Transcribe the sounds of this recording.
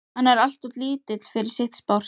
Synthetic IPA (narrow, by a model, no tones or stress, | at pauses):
hanːɛɾal̥t̪ɔt̪liːt̪ɪt̪l̥fɪɾɪɾ̥sɪxt̪spɔr̥